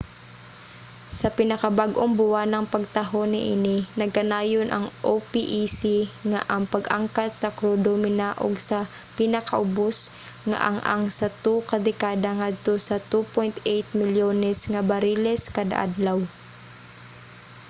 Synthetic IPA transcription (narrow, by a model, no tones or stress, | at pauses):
sɐpɪnɐkabaɡʔoŋbʊwanɐŋpɐɡ̚t̪ɐɦonɪ̰ʔɪnɪnɐɡ̚kɐnaːjonʔɐ̰ŋʔopiʔisiŋaʔɐŋpɐɡaŋkat̪̚sɐkɾuːd̪omɪnaːʔo̰ɡsɐ | pɪnɐkaʔʊbos | ŋa̰ʔɐ̰ŋʔa̰ŋsɐt̪ukɐd̪ɛkaːd̪aŋad̪̚t̪osɐt̪upojnt̪ejt̪̚mɪljoːnɛsŋɐbɐɾiːlɛskad̪a̰ʔa̰d̪law